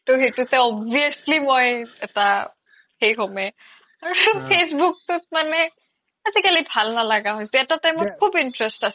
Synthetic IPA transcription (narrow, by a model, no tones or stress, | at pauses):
tʊhejtusɛɔbiəslimojɛta | hejkɔmɛ | aɹupʰesbuk̚tʊt̚manɛ | azikalibʱalnalaɡaɦojsɛɛtatamokʰubintɹɛstas